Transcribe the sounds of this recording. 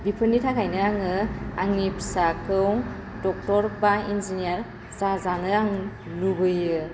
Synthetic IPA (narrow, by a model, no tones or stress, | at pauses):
dipʰɯnːitʰakʰajnɯɾaŋɯaŋipsakʰɯw | dɔk̚tɔɾbainzinijaɾ | zazanɯaŋ | lubɯjɯ